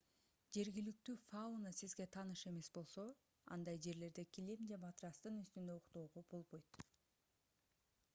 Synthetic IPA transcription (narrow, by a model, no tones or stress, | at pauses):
d͡ʒe̞ɾɡʲilyk̚t̪yːfaunasizɡe̞t̪ʰɑnɯʃe̞me̞sbo̞lˠso̞ | ɑ̰nd̪ɑjd͡ʒe̞ɾle̞ɾd̪e̞kʲilimd͡ʒemat̪ɾɑst̪ɯnyst̪ynd̪ø̞oqt̪o̞ːʁob̥o̞lˠbo̞jt̪